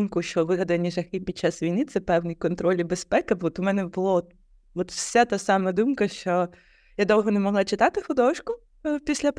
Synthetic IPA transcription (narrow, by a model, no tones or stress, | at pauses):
mkʊʃt͡ʃɔʋɪɦɐd̪ɐnʲiʒɐxɪpʲid̥̪̚ʲt͡ʃːasʋʲijnɪt̪sɛpɛwnʲijkɔnt̪ɾɔlʲibespɛkɐbɔt̪ʊmɛnɛbʊlˠɔɔt̪ | ʋɔt̪wsʲat̪asɑmɐd̪umkɐʃt͡ʃɔ | jad̪ɔwɦɔnemɔɦlˠɑt͡ʃɪt̪ɑt̪ɪxʊd̪ɔʃkʊ | pʲisʲlʲɐp